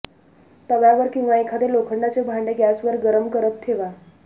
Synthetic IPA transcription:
t̪əʋjaʋəɾkiŋɡaekʰad̪elokʰəɳɖat͡sebʱaɳɖeɡjasʋəɾɡəɾəmkəɾət̪ʰːeʋa

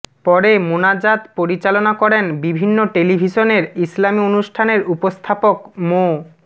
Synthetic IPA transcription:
pɔɾemonad͡ʑat̪poɾit͡ɕalonakɔɾenbibʱinːoʈelibʱiʃoneɾislamionuʃʈʰaneɾupost̪ʰapokmo

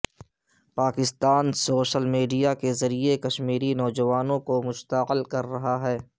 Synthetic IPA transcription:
paːkɪst̪aːnsoːʃəlmiːɖijakezɐɾiekɐʃmiːɾinɔːd͡ʒɐʋaːnõkomʊʃt̪əqɪlkɐɾːɐɦaɦɛː

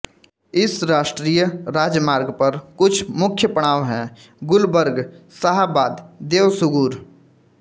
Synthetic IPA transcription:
ɪsɾaːʃʈɾiːjəɾaːd͡ʒmaːɾɡpɐɾkʊt͡ʃʰmʊkʰjəpəɽ̃aːʋɦɛ̃ | ɡʊlbəɾɡsaɦabaːd̪d̪eːwsʊɡuːɾ

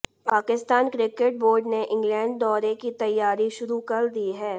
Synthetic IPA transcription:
paːkɪst̪aːnkɾɪkeʈ̚boːɾɖneʔɪ̃ŋɡlɛ̃ːɳɖ̚d̪ɔːɾekit̪ɐjːaːɾiʃʊɾukɐɾd̪iːɦɛː

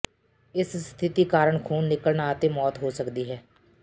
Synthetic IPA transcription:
ɪsst̪ʰɪt̪iːkaːɾəɳkʰuːnːɪkəlnaːt̪eːmɔːt̪ɦoːsəkd̪iːɦɛː

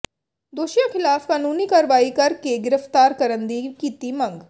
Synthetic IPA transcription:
d̪oːʃijãkʰɪlaːfkaːnuːnikaːɾʋaːikɐɾkeɡɪɾəft̪aːɾkɐɾə̃nd̪ikit̪imɐ̃ŋɡ

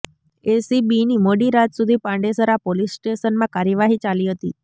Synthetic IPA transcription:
esibiniːmoɽiːɾat̪sud̪ʱiːpãɳɖesəɾapolisːʈesənmãkaɾjəʋaɦiːt͡ɕaliːɦət̪ḭː

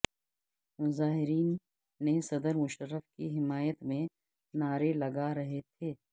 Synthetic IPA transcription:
mʊzaːɦɪɾiːnː | esɐd̪əɾmʊʃəɾːəfkiɦɪmaːjət̪mẽ | naːɾelɐɡaɾɐɦet̪ʰeː

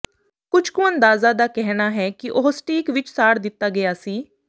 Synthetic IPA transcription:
kʊd͡ʒʰkʊ̃ə̃nd̪aːzaːd̪aːkɛɦnaːɦɛːkiʔoɦsʈiːkʋɪt͡ʃsaːɽd̪ɪt̪ːaːɡɪjaːsiː

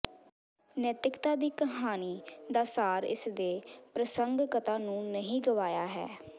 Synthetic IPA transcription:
nɛːt̪ɪkt̪aːd̪iːkəɦaːniːd̪aːsaːɾɪ̰sd̪eːpɾəsəŋɡkət̪aːnũːnəɦĩːɡəʋaːjaːɦɛ̰ː

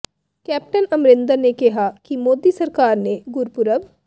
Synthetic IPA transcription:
kɛːp̚ʈənɐmɾɪnd̪əɾnekɐɦakimoːd̪isɐɾkaːɾneɡʊɾpʊɾəʋ

